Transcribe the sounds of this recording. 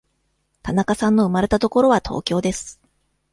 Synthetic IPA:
t̪anakasãnːo̞ɯ̟maɾe̞t̪at̪o̞ko̞ɾo̞β̞at̪ʰo̞̰ːkʲo̞ːd̪e̞sɨ̥

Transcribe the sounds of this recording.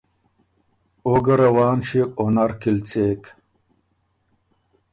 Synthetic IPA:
oɡɐɾɐwaːnɕikʼonɐɾkilt͡seːk

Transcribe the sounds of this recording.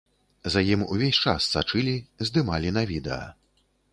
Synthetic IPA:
zɐjimuvʲesʲt͡ʂassat͡ʂɨlʲizd̪ɨmalʲinɐvʲid̪ɛ̰ɐ̰

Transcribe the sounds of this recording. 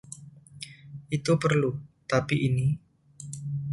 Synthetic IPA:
ʔit̪upərlut̪apiʔini

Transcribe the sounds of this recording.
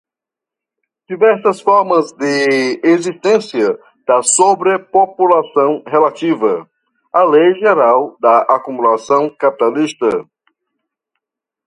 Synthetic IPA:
d͡ʒivɛɾsɐsfɔɾmɐzd̪ɪezist̪ẽsiɐ | d̪̥ɐsobɾepopulasɐ̃w̃ɦelat̪ivɐ | alejʒeɾawd̪ɐakumulasɐ̃w̃kapi̥t̪alist̪ɐ

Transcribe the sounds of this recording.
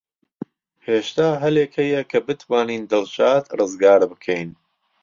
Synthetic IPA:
heːʃt̪aːɦɐleːkhɐjɐkʰɐbɨt̪ʰwaːniːnd̪ɨlʃaːt̪rɨzɡaːɾbɨkʰɛjn

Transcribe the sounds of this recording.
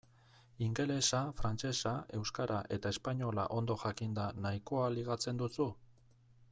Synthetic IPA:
iŋɡe̞le̞safɾant͡ʃe̞sae̞wskaɾaʔe̞t̪ae̞spaɲo̞la̰ʔo̞nd̪o̞ʝakind̪anaiko̞aliɣ̞at͡se̞nd̪usu

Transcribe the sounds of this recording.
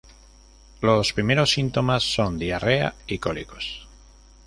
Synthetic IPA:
lospɾimeɾosːint̪o̞masːo̞nd̪iarea̰ikoliko̞s

